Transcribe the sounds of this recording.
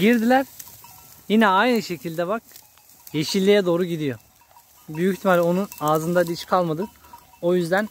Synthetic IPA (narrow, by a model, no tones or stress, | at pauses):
ɟiɾd̪ilʲæɾ | jinɛajnɯʃe̞cʰilʲd̪ɛβak̚ | je̞ʃilʲːijɛd̪o̞ːɾuɟid̪ijo̞ | byjyçt̪ʰimalʲo̞nunaːzɯnd̪ad̪it͡ʃkʰalˠmad̪ɯk | o̞jyzd̪æn